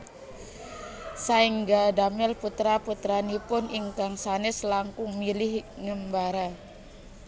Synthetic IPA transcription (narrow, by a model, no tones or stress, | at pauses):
saiŋɡadamɛlput̪ɾaput̪ɾanipʊniŋkaŋsanɪslaŋkʊŋmilɪhŋəmbaɾa